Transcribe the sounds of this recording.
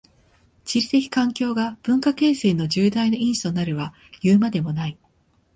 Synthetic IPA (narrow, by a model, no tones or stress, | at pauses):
t͡ɕiɾʲit̪e̞kʲi̥kãŋkʲo̞ːɡab̥ɯ̟̃ŋkake̞ːse̞ːno̞ʑɨːd̪ainoĩɰ̃ɕi̥t̪o̞naɾɯ̟βa | jɯːmad̪e̞mo̞nai